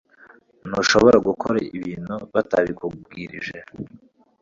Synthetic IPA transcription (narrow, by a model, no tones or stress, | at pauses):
noʃo̞βoɾaɡukʰoɾaiβiːnuβataβikubɡiːɾḭʒe